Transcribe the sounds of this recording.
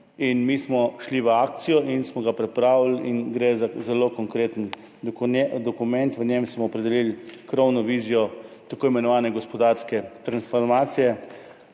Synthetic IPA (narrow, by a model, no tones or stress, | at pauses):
inmismɔʃliʋəaːk̚t̪sijɔʔinsmɔɡapɾɛpɾaːwlinɡɾezazɛlokɔŋkɾeːt̪ən | d̪ɔkumɛnt̪ʋəɲemsmɔːpɾɛd̪ɛlilkɾɔwnɔʋiːzijɔt̪akoːimɛnɔʋaːnɛɡɔspɔd̪aɾskɛt̪ɾansfɔɾmaːt̪sijɛ